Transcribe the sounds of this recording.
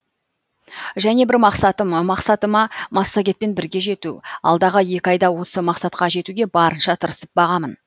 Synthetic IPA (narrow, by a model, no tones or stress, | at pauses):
ʒæne̞bɪɾmɑqsɑt̪əməmɑqsɑt̪əmɑmɑsːaɡʲe̞t̪̚pe̞nbɪɾɡʲe̞ʒe̞t̪uɑ̰lˠd̪ɑʁəje̞kʲɑjd̪ɑwo̞səmɑqsɑt̪̚qɑʒe̞t̪uɡʲe̞bɑɾənʃɑt̪ʰəɾəsəp̚bɑʁɑmən